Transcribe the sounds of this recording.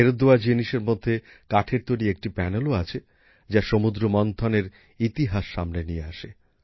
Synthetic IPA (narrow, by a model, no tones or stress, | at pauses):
eɾod̪ːoad͡ʑiniʃeɾmod̪ʱːe | kaʈʰeɾt̪ojɾieek̚ʈipɛneloat͡ɕʰe | d͡ʑaʃomud̪ɾomɔnt̪ʰɔneɾ | it̪iɦaʃːamnenijeaʃe